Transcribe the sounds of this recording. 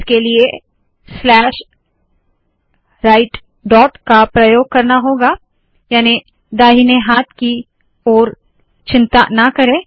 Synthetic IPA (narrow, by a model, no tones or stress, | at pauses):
kelie | slɛːʃ | ɾaːɪʈ | ɖɔːʈkapɾɐjoːɡ̚kɐɾnaɦoːɡa | jaːni | d̪aːɦineɦaːt̪̚ʰki | ɔːɾ | t͡ʃɪ̃nt̪anɐkɐɾẽː